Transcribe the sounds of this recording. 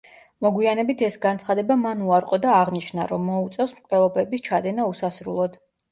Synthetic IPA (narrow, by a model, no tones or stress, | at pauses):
mɔɡwianɛbit̪ʰɛsɡant̪sʰχad̪ɛbamanuaɾqʼɔd̪aːʁniʃna̰ɾɔmːɔut̪sʼɛfsmkʼlɛlˠɔbɛbist͡ʃʰad̪ɛnausasɾṵlˠɔd̪̥